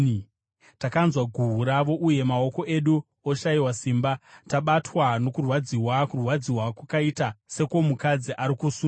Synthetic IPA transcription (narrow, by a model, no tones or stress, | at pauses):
takanzwaɡʱuɦuɾaʋo̞ʔuje̞mao̞ko̞ʔe̞ɗu | oʃaiwasiːmbataɓatwano̞kurwad͡ziwakurwad͡ziwakwakaitase̞komukad͡ziʔaɾikusu